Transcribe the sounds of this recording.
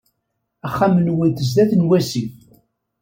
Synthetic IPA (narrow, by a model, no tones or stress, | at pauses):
æχːamənwint̪əz̬ðæθnwæsi